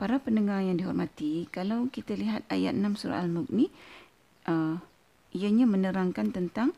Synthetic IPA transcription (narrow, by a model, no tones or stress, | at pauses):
paɾapəndəŋarjaŋdiɦɔrmat̪ikalawkit̪aliɦat̪̚a̰ja̰t̪̚namsuɾa̰ʔalmʊk̚ni | ʔə | ijaɲamənəɾaŋkant̪ənt̪aŋ